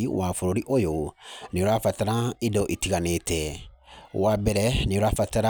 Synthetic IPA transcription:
iwafoɾoɾiʔojonĩoɾafataɾãidɔʔitiɡanetɛwabɛɾɛnĩoɾafataɾa

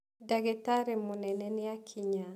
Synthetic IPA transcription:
daɡɛtaɾemonɛnɛnɛakʰiɲa

